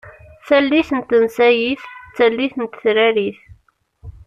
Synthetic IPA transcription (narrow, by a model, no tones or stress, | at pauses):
θælːiθənt̪ənsæjiθt͡sːælːiθənt̪θɾæɾiθ